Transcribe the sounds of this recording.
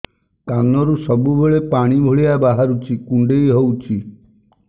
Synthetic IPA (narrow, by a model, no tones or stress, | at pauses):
t̪anɔɾusɔbubeɭepaɽ̃ibʱoɭiabaɦaɾut͡ʃʰikuɳɖejɦowt͡ʃʰi